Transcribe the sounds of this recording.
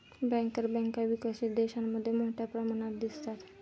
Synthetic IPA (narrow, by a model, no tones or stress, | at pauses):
bɛ̃ŋkəɾbɛ̃ŋkaʋikaɕit̪̚d̪eɕamːəd̪ʱːjemoʈʰjapɾəmanat̪̚d̪ist̪at̪